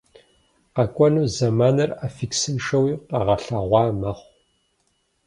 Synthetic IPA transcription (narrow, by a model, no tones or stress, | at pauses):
qɐkʷʼɔnuːzɐmaːnɐraːfiksɨnʂɐwiːqɐʁɐɬaːʁʷɑːmɐχʷ